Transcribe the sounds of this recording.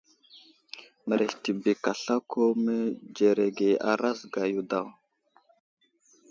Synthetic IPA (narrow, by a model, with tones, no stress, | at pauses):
mə˨ɾe˨hti˨bi˨ka˨ɬa˦kʰo˦mə˦d͡ʒe˨ɾe˨ɡe˨a̰˨ɾa˦sɡa˨ju˨da˦˨w